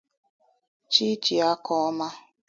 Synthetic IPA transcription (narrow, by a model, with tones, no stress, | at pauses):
t͡ʃi˦t͡ʃi˨a˦kɔ˦ɔ˦ma˦